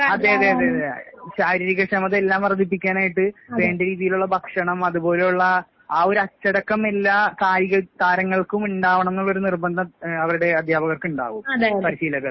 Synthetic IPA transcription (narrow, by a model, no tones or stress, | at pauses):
ɐðeɐðeːɐðeɐðeɕaːɾiːɾikːɐkʂɐmɐðe̞lːaːmɐrɐd̪ip̬ːikʲːaːnaːjiʈːɨʋe̞ːɳɖeɾiːðijiluɭːɐbʱɐkʂɐɳɐmɐðubo̞ːle̞juɭːɐ | aːo̞ɾɐt͡ɕːɐɽɐkːɐmelːakaːjiɣɐt̪aːɾɐŋːɐɭkumuɳɖaːʋɐɳɐmenːoɭːo̞ɾunirbɐnd̪ʱɐɐʋɐɾuɽe̞ɐd̪ʱjaːbɐɣɐrkuɳɖa̰ːʋumɐpɐɾiɕiːlɐɣɐɭ